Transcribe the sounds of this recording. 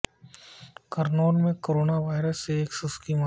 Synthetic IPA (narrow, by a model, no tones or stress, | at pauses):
kɐɾnoːlmẽkoːɾoːnaʋaːɪɾəsːeːksʊskiːma